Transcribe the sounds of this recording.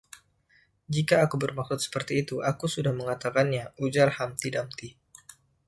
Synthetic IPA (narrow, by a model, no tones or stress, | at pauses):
d͡ʒikaːkubərmaksʊt̪̚sə̥pərt̪iːt̪uʔakusudahməŋat̪akanɲaud͡ʒarhamt̪idamt̪i